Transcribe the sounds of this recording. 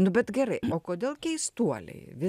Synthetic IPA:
nʊbʲɛt̪ɡʲɛɾɐɪoːkoːd̪ʲeːlˠkʲɛɪst̪uɔlʲɛ̰ɪʋʲɪ

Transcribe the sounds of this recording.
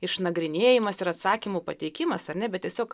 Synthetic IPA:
ɪʃnɐɡɾʲɪnʲeːjɪmɐsɪɾɐt̪sɑːkʲimuːpɐt̪ʲɛɪkʲɪmɐsɐrʲnʲɛbʲɛt̪tʲiɛsʲoːk

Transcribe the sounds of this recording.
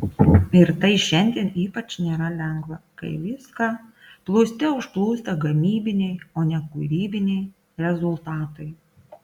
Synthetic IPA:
ɪɾt̪ɐɪʃʲɛnʲd̪ʲieɛniːpɐt͡ʃnʲeːɾɐlʲɛŋɡʋɐkɐ̰ɪʋʲɪskɑ | plˠuːsʲt̪ʲɛʊʃplˠuːst̪ɐɡɐmʲiːbʲɪnʲɛɪoːnʲɛkʊːɾʲiːbʲɪnʲɛɪ | ɾʲɛzʊlˠt̪ɑːt̪ɐɪ

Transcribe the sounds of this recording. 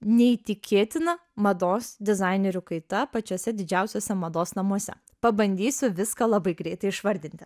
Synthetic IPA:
nʲɛit̪ʲɪkʲeːt̪ʲɪnɐmɐd̪oːsd̪ʲɪzɐɪnʲɛɾʲʊkɐɪt̪ɐpɐt͡ʃʲuɔsʲɛd̪ʲɪd͡ʒʲæʊsʲoːsʲɛmɐd̪oːsnɐmuɔsʲɛ̰ | pɐbɐnʲd̪ʲiːsʲʊʋʲɪskɐlˠɐbɐɪɡɾʲɛɪt̪ɐɪɪʃʋɐɾʲd̪ʲɪnt̪ʲɪ

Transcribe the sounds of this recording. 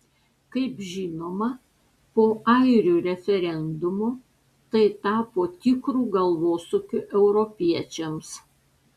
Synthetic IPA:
kɐɪpʒʲɪːnoːmɐ | poːɐɪɾʲuːɾʲɛfʲɛɾʲɛnd̪ʊmoː | t̪ɐɪt̪ɑːpoːt̪ʲɪkɾuːɡɐlˠʋoːsʊkʲʊʔɛʊɾɔpʲiɛt͡ʃʲɛms

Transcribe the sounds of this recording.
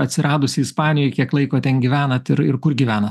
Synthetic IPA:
ɐt̪ʲsʲɪɾʔɑːd̪ʊsʲɪɪspɑːnʲɪjɔɪkʲiɛklˠɐɪkoːt̪ʲɛnɡʲiːʋʲæːnɐt̪ɪɾɪ̰ɾkʊɾɡʲiʋʲæːnɐ

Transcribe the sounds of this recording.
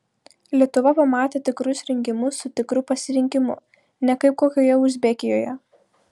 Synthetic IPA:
lʲiɛt̪ʊʋɐpɐmɑːt̪ʲeːt̪ʲɪkɾʊsɾʲɪŋʲkʲɪmʊsːʊt̪ʲɪkɾʊpɐsʲɪɾʲɪŋʲkʲɪmʊ̰ | nʲɛkɐɪp̚koːkʲoːjɛʊzʲbʲɛkʲɪjoːjɛ

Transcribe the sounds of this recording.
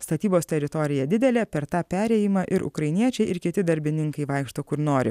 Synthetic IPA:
st̪ɐt̪ʲiːboːst̪ʲɛɾʲɪt̪ɔɾʲɪjɛd̪ʲɪd̪ʲɛlʲɛpʲɛɾt̪ɑːpʲæːɾʲɛːjɪmɑʔɪɾʔʊ̰kɾɐɪnʲiɛt͡ʃʲɛɪʔɪɾkʲɪt̪ʲɪd̪ɐɾʲbʲɪnʲɪŋkɐɪʋɑɪkʃt̪oːkʊɾnoːɾʲɪ̰

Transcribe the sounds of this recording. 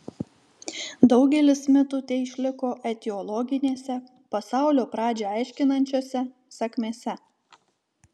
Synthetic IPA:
d̪ɒʊɡʲɛlʲɪsmʲɪt̪ʊt̪ʲɛɪɪʃʲlʲɪkoːʔɛt̪ʲɪɔlˠɔɡʲɪnʲeːsʲɛ | pɐsɑˑʊlʲoːpɾɑːd͡ʒʲɛɑˑɪʃʲkʲɪnɐnʲt͡ʃʲoːsʲɛ | sɐkʲmʲeːsʲɛ

